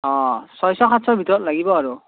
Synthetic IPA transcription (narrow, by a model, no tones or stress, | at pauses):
ɔ̃sɔjsɔkʰatsʰɔbʱit̪ɔɾɔt̚laɡibɔːɾu